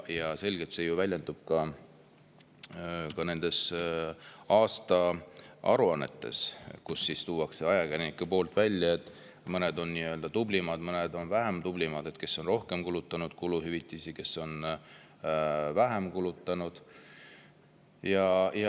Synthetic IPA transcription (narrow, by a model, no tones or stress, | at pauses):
jɑse̞lɡ̥et̪se̞juvælʲje̞nd̪̥ub̥̚kɑ | kɑne̞nd̪̥e̞s | ɑːst̪ɑɑ̰ɾuɑnːe̞̰t̪ˑːe̞̰skusːist̪uːwɑkseɑjɑkæenikːupo̞ːlt̪ˑvælʲːjɑet̪ːˑ | mɤne̞d̪o̞nːiø̞ld̪̥ɑt̪ublimɑd̪̥mɤned̪o̞nvæɦemt̪ublimɑd̪e̞t̪ke̞sːo̞nro̞hke̞mkulut̪ːˑɑnud̪̥̚kuluhyvit̪ːˑisike̞sːo̞n | væɦemkulut̪ˑːɑnud̪̥ | jɑj